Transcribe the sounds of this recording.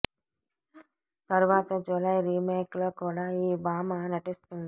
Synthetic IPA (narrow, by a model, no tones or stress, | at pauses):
t̪ɐɾuʋaːt̪ɐd͡ʒulɐjɾiːmeːkloːkuːɽaːiːbaːmaːnɐʈist̪und̪i